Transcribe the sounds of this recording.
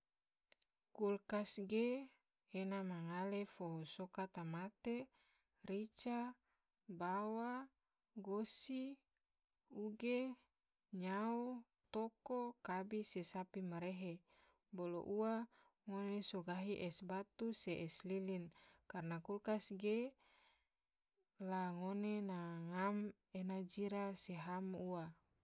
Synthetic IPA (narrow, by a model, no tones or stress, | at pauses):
kulkasɡeː | namaŋalefoɦosokat̪amat̪e | rit͡ʃa | bawa | ɡosi | uɡe | ɲau | t̪okokabisesapimaɾeɦe | bolo̰ʔua | ŋonesoɡaɦiʔɛsbat̪useʔɛslilinkarnakulkasɡe | laŋonenaŋam | enad͡ʒiɾaseɦamua